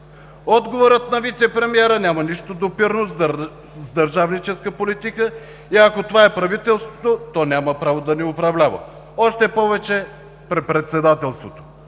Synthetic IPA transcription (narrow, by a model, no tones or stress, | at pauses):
ɔd̪ɡovoɾət̪̚nɐvit̪sɛpɾɛmiɛɾənʲaməniʃt̪od̪opiɾnoz | zd̪ɐɾʒavnit͡ʃɛskəpolit̪ikə | iɐkot̪ovaɛpɾɐvit̪ɛlˠst̪vot̪ot̪ɔnʲaməpɾavod̪ɐnɛʊpɾɐvlʲavə̰ | ɔʃt̪ɛpɔvɛt͡ʃɛ | pɾɛpɾɛt̪sɛd̪at̪ɛlˠst̪vot̪o̥